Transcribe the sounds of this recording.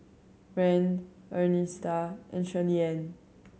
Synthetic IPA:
ɹɛ̃n | ɜnĩstaʔɛ̰̃nʃɛliɛ̃n

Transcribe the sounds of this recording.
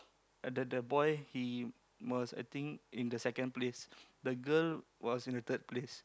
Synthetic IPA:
dədəbɔjhi | wɔsa̰jt̪ĩŋkʔĩndəsɛkə̃nplesdəɡəlwɔsĩndət̪ʰəd̚ples

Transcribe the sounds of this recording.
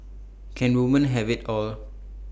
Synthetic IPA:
kʰɛ̃nwumə̃nɦɛvitɔl

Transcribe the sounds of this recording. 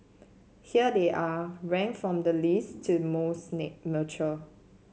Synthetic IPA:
hiədeʔaɹɛ̃ŋfɹɔ̃mdəlistʰumosnek̚mət͡ʃə

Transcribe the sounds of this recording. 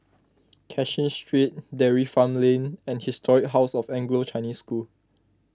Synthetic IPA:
kʰɛʃĩnstɹit̚dɛɹifãmlẽnɛ̃nhistʰɔɹɪk̚ɦaʊsɔfɛ̃ŋɡlot͡ʃaɪniskul

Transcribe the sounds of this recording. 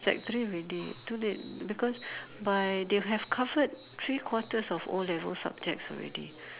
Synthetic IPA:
d͡ʒɛ̰k̚təɹiɔɹɛditulet̚bikɔsbajdeɦɛvkʰavət̚ | t̪ɹikʰwɔtəsɔfɔ̰lɛvə̰lsa̰b̚d͡ʒɛk̚tsɔ̰lɹɛ̰dḭ

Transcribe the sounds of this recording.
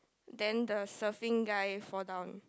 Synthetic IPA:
dɛ̃ndəsəfĩŋɡajfɔdãwn

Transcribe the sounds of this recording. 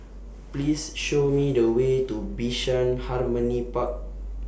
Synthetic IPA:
plisʃomidəwetubiʃə̃nharmə̃nipak̚

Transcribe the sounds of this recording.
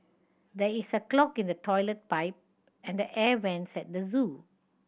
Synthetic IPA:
dɛisəklɔkĩndətʰɔɪlət̚paɪp̚ | ɛ̃ndəʔɛwɛ̃nsɛt̚dəzũ

